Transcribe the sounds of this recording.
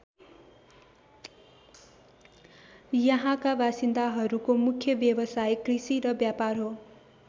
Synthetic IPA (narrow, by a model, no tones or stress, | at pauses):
jʌɦãkabasind̪aɦʌɾukomukʰːjʌbjʌbʌsajkrisiɾʌbjaparɦo